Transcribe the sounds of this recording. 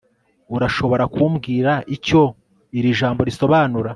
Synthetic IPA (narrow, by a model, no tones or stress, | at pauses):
uɾaʃo̞βo̞ɾakuːmɡiːɾaʔico̞ | iɾiʒaːmbo̞ɾiso̞βaːnuɾa